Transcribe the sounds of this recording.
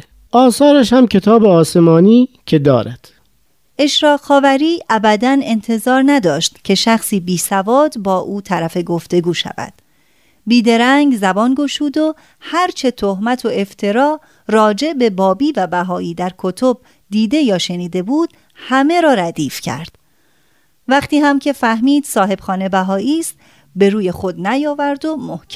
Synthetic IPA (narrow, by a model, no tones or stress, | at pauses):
ʔɒːsɒːɾæʃ̬hæmcʰe̞t̪ʰɒːbeɒːse̞mɒːniːcʰe̞d̪ɒːɾæd̪̥ | ʔe̞ʃɾɒːxɒːvæɾiːʔæbæd̪æne̞nt̪ʰe̞zɒːɾnæd̪ɒːʃt̪cʰe̞ʃæxsiːbiːsævɒːd̪bɒːʔuːt̪ʰæɾæfe̞ɡoft̪e̞ɡuːʃæ̰væ̰d̪̥ | biːd̪e̞ɾæŋɡzæbɒːnɡo̞ʃuːd̪o̞ | hæɾt͡ʃʰe̞t̪ʰohmæt̪ʰo̞e̞ft̪ʰe̞ɾɒː | rɒːd͡ʒe̞ʔbe̞bɒːbiːvæbæɦɒːiːd̪æɾkʰot̪ʰo̞b̚ | d̪iːd̪e̞jɒːʃe̞niːd̪e̞buːd̪̥ | hæme̞ɾɒːɾæd̪iːfcʰæ̰ɾd̪̥ | væχt̪iːhæmcʰe̞fæhmiːd̪̥sɒːɦe̞bxɒːne̞bæɦɒːiːst̪ | be̞ɾuːje̞xo̞d̪næjɒːvæɾd̪o̞mohcʰ